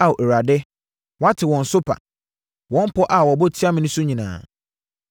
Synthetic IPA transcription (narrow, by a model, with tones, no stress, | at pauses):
a˨wo˨ʔe˨ɾa˨dɪ˦ | wɔ̃˨˦a˦tʰɪ˨wɔ̃˨n̩˨sʊ˦pʰa̰˨ | wɔ̃˦m̩˦pʰɔ˦ʔa˨wɔ˨bɔ˦˨tʰi˦a˦mɪ̃˦nʊ̃˦sʊ˦ɲĩ˨nã̰ː˨